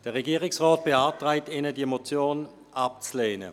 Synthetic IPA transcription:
d̥əʁeɡiːʁɪksʁɔːt̚b̥eaːtʁaɪtɪnədimot͡sjoːn | ap̚t͡sleːnə̰

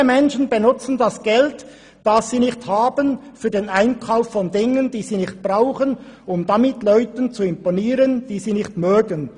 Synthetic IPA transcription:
əmɛnʃən̩bənʊt͡sən̩dasɡ̥ɛlt | d̥ɑsːiːnɪçthaːbənfyːɐdeːnaɪnkʰaʊfːɔndɪŋənd̥iːziːnɪçt̚b̥ʁaʊχənʊmdamɪtlœʏtənt͡suɪmponiːɾənd̥iːziːnɪxtmøːɡən

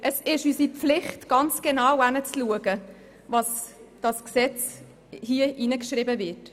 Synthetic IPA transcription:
ʔəsɪʃysipflɪχtɡ̥ɑnt͡sɡ̥enaːwanət͡sluəɡə | vɑsd̥ɑsksɛt͡s | hiəʔinəkʃrɪbəvɪt

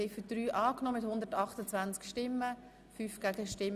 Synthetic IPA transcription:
ɛɪfydɾyːʔɑːknɔːmɪt̪hʊnd̪əɾtɑχt̪ət͡svant͡skʃtɪmːə | fyːfɡ̥æɡəʃtɪm

